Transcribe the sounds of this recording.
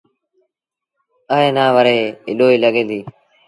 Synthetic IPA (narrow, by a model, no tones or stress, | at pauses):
əːɦẽːnaːʋəɾeːɪɗoːiːləɠẽːd̪iː